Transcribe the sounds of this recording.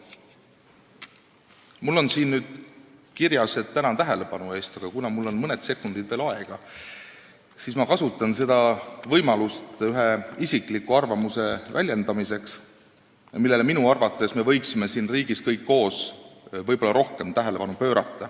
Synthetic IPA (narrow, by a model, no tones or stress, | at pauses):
mulːo̞nsiːnnyːd̪̥kirjɑset̪ːænɑt̪æɦe̞le̞pɑnue̞ːst̪ɑɡ̥ɑkunɑmulːo̞nmɤne̞d̪̥se̞kːund̪̥id̪̥ve̞ːlɑeɡ̥ɑ | siːsmɑkɑsut̪ːˑɑnse̞d̪ɑvɤ̞jmɑlust̪yɦe̞isiklikːˑuɑrvɑmuse̞vælʲje̞nd̪̥ɑmise̞ks | jɑmilːe̞leminuɑrvɑt̪ːˑe̞sme̞vɤ̞jksime̞siːnriːɡ̥iskɤjkːo̞ːsvɤjb̥o̞lːɑɾo̞hke̞mt̪æɦe̞le̞pɑnupø̞ːɾɑt̪ːɑ